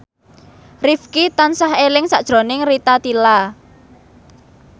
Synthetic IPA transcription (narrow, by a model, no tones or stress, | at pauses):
rifkit̪ansaɦelɪŋsaʔd̥ʒ̥ɾo̤nɪŋrit̪at̪ila